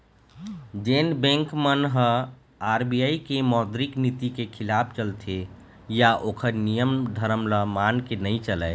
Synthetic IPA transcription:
d͡ʒenbẽŋkmənɦə | aɾbijaikemɔd̪ɾiknit̪ikekʰilapʰt͡ʃəlt̪ʰe | jaʔokʰəɾnijəmd̪ʱəɾəmləmankenəit͡ʃəlɛɪ

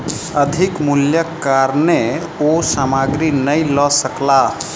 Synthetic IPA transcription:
əd̪ʱikmuljəkaɾne | osamaɡɾinəjlɔsəkla

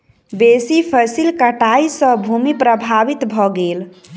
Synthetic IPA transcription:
besipʰəsilkəʈaisə̃bʱumipɾəbʱabit̪bʱɔɡel

